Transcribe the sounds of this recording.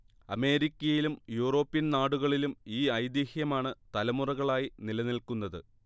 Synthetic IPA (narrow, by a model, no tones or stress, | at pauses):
ɐme̞ːɾikʲːɐjilumjuːro̞ːpːinnaːɽuɣɐɭilumiːɐjd̪ihjɐmaːɳɨt̪ɐlɐmurɐɣɐɭaːjinilɐnilkunːɐðɨ̰